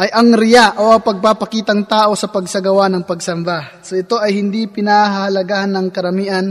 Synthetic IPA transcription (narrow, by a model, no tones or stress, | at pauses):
ʔɐjʔɐŋɾɪjaʔoʔɐŋpɐɡ̚papɐkiːt̪ɐŋt̪aːʔo̞sɐpɐɡ̚sɐɡɐwanɐŋpɐɡsɐmbasɐʔɪt̪o̞ʔɐjhɪnd̪ipɪnahɐhɐlɐɡaːhɐnːɐŋkɐɾɐmiːʔɐn